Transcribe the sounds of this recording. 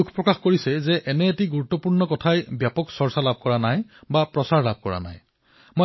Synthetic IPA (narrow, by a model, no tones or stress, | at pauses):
ukʰpɹɔkaxkoɹisɛzɛʔɛnɛetiɡuɹut̪ːɔpuɹnɔkɔtʰajbjapɔksɔɹsalab̚ʱkɔɹanajbapɹɔsaɹlab̚ʱkɔɹa̰na̰j | mo